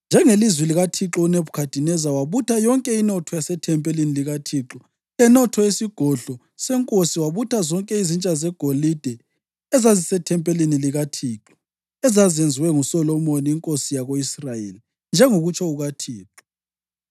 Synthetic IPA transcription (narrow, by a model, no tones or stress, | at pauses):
nd͡ʒʱɛŋelizwiliɣatʰiǁɔuneβukʰad̥ʱinɛzawaβutʰajɔŋkʼɛinɔtʰɔjasɛtʰɛmpʼɛliniliɣatʰiǁɔ | lɛnɔtʰɔesiɡ̥ʱɔɮɔ | sɛŋkʼosiwaβutʰazɔŋkʼɛizint͡ʃʼazɛɡ̥ʱolid̥ʱɛ | ɛzazisɛtʰɛmpʼɛliniliɣatʰiːǁɔ̥ | ɛzazend͡zʱiwɛŋusɔlɔmoniːŋkʼosijaɣoisrajḛli | nd͡ʒʱɛŋoɣut͡ʃʰɔuɣatʰiːǁɔ